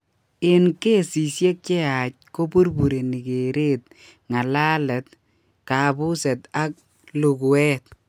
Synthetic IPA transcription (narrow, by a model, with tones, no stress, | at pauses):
ɪ˨nke˦si˨sje˦k̚t͡ʃe˦a˨c̚ko˦bu˦rbu˨ɾe˨ni˨ke˨ɾe˦t̪ | ŋa˨la˦lɛ˨t̚ | ka˨bʊ˦sɛ˨t̪a˦k̚ | lu˨ɡu˨ɛ˦t̪̚